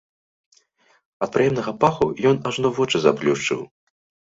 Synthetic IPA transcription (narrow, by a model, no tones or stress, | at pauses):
ɐt̪̚pɾɨjɛmnɐɣɐpaxujɔnaʐnɔvɔt͡ʂɨza̰blʲuʂt͡ʂɨ̰w